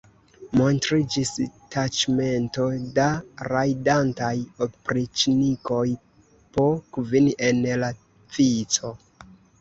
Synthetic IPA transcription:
mo̞ntɾid͡ʒistat͡ʃme̞nto̞daɾajdantajopɾit͡ʃniko̞j | pokviniʔe̞nla | p͡fit͡so̞

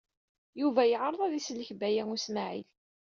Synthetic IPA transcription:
juvæjəʕəɾˤɑðˤæðislːəçbæjæŋusmaʕḭl

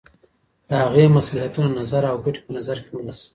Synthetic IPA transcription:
d̪̥əhaɣemaslaɦat̪unanazaɾawɡaʈi̥pənazaɾkewnas

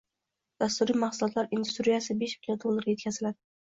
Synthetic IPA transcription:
d̪̥ast̪uɾiːmaχsʊlˠɒt̪laɾʔind̪ust̪ɾijasɪbeʃmɪlʲjaɾd̪olˠːaɾʲje̞t̪̚kʰʲazɪlad̪ɪ

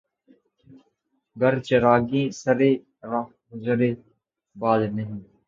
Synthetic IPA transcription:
ɡəɾt͡ʃəɾaːɡĩːsəɾeː | ɾa | ɡʊzɾeː | baːd̪nəɦĩː

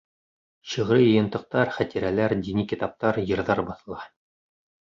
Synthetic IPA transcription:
ɕɤ̆ʁɾɤjɤ̆jɤ̆nt̪ɤ̆q̚t̪ɑɾχæt̪iɾælæɾd̪inʲikit̪ɑp̚t̪ɑɾjɤ̆ɾðɑɾbɑθɤ̆lˠɑ

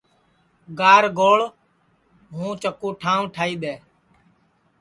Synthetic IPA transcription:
ɡaːɾɡoːɭ | ɦũːt͡ʃəkoːʈʰaːũʈʰaːiːɗ̪eː

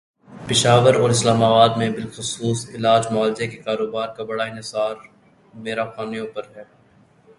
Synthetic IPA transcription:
pɪʃaːʋəɾɔːɾɪslaːmaːbaːd̪mẽbɪlxʊsuːsɪlaːd͡ʒmʊaːlɪzekekaːɾoːbaːɾkabɐɽaɪ̃nɦɪsaːɾ | meːɾaxaːnijõpɐɾɦɛː

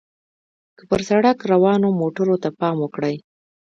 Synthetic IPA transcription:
kəpəɾsaɽakɾawɑnomoʈəɾot̪apɑmwəkɽəj

